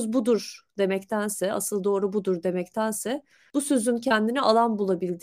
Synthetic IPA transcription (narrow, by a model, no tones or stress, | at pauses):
zbud̪uɾd̪̥e̞mɛct̪ʰænsɛa̰sɯlˠd̪o̞ːɾubud̪uɾd̪e̞mɛct̪ʰænsɛ | b̥usøzyncʰɛnd̪inɛʔalˠanbulˠabilʲd̪